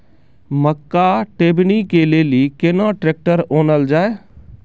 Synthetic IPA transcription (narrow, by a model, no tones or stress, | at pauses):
məkːaʈeːbnikeleːlikenãːʈɾeːk̚ʈəɾoːnəld͡ʒaːe